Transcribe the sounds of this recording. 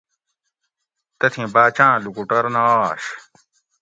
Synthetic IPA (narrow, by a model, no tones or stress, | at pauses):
t̪ɐt̪ʰĩbaːt͡ɕãːlukuʈɐɾnaaɕ